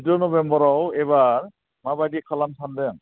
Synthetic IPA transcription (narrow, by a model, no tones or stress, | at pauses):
tɔnɔbɛmbɔɹɔwɛbaɹ | mabadikʰɔlansʰandɛŋ